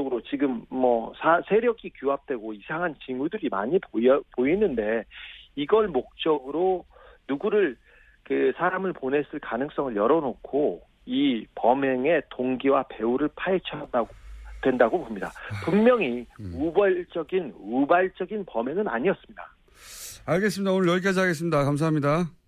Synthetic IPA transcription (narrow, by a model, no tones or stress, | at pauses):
ɡɯɾot͡ɕiɡɯmːʌsʰasʰe̞ɾjʌɡʰikjuɦap̚t͈we̞ɡoisʰaŋɦant͡ɕimudɯɾima̰ɲippoinːɯnde̞iɡʌɭmok̚t͡ɕ͈ʌɡɯɾonuɡuɾɯɭ | kɯsʰaɾamɯɭpone̞s͈ɯɭkanɯŋs͈ʌŋɯɭjʌɾʌnokʰo | ipʌmeŋe̞toŋɡiwape̞uɾɯɭpʰaet͡ɕʰʌdaɡodwe̞ndaɡopomɲida̰pummjʌŋiubaɭt͡ɕ͈ʌɡinubaɭt͡ɕ͈ʌɡinpʌmjeŋɯna̰ɲiʌs͈ɯmɲida̰ | aɭɡes͈ɯmɲidaonɯɭjʌɭɡiad͡ʑaɡes̬ɯmɲidakams̬ʰaɦmɲida